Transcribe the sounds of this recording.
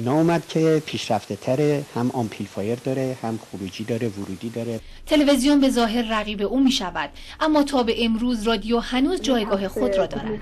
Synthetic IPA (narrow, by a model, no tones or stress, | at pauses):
inɒumæd̪cʰepʰiːʃɾæft̪et̪ʰæɾehæmɒmpʰilfɒːjeɾd̪ɒːɾehæmχoɾuːd͡ʒiːd̪ɒːɾevuɾuːd̪iːd̪ɒːɾe | t̪ʰe̞leve̞zijombe̞zɒːɦe̞ɾræɣiːbe̞ʔuːmiːʃævæd̪̥ | ʔæmːɒːt̪ʰɒːbe̞ʔemɾuːzrɒːd̪ijohænuːzd͡ʒɒːjɡɒːɦe̞xo̞d̪rɒːd̪ɒːɾæ̰nd̪